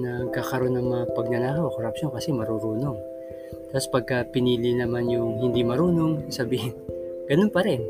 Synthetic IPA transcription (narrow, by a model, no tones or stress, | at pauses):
nɐɡ̚kaːkɐɾo̞nːɐŋmɐŋapɐɡ̚nɐnaːkɐwɐkoɾɐpʃonkɐsɛmɐɾuɾuːno̞ŋ | t̪aspɐɡ̚kɐpɪniːlɪnɐmanjʊŋhɪnd̪imɐɾuːno̞ŋsɐbiːhɪnɡ̥ɐno̞npɐɾɛn